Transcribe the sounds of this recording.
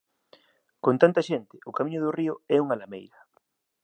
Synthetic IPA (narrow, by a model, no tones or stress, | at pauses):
kont̪ant̪ɐʃent̪ɪʔʊkamĩɲʊðʊriʊɛuŋalamḛjɾɐ